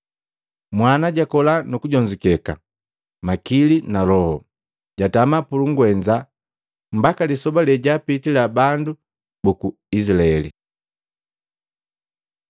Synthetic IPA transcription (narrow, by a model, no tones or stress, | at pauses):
mwanaɟakɔlanukuɟɔɲd͡ʒukɛka̰ | makilinalɔhɔ | ɟatamapuluŋɡwɛɲd͡ʒa | m̩bakalisɔbalɛɟapitilabandu | buku | isilaɛlḭ